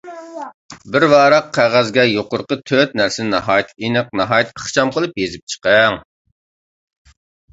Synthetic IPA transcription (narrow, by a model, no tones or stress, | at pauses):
bɪɾwɑːɾɑqʰːæʁæzɡʲɛjoqʊɾqət̪ʰøt̪̚næɾsɪnɪnɑɦɑːjɛt̪ʰinɨqnɑɦɑːjɛt̪əχt͡ʃɑmqəlˠɨpjezɪp̚t͡ʃʰə̥qɛŋ